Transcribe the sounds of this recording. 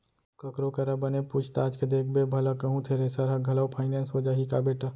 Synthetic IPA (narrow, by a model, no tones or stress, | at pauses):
kɐkɾokɐɾabɐnepuːt͡ʃʰt̪aːd͡ʒked̪eːk̚ʰbebʱɐləkɐɦũt̪ʰeɾesɐɾɦaɡʱɐləwpʰaːɪneːnsɦoːd͡ʒaːɦikabeːʈa